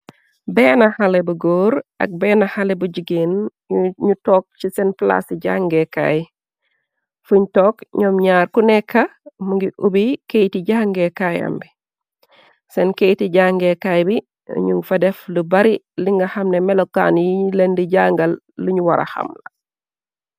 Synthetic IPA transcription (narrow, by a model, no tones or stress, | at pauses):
bɛːnɐhɐlɛbuɡoːɾʔɐ̰k̚bɛːnɐhɐlebuɟiɡin | ɲutɔːk̚t͡ʃisɛnpla̰siɟaŋɡɛka̰ːj | fuɲtɔːkɲɔmɲaːɾkunɛkʰːɐmuŋɡiʔubikejtiɟaːŋɡɛkajɐ̰mbi | sɛnkejtiɟaŋɡɛkajbḭ | ɲuŋfɐdɛflubɐɾi | liŋɡɐhɐmnɛmɛlɔkːa̰ːnjilendiɟaːŋɡɐlː | uɲuwɐɾʔɐ̰hɐ̰mlɐ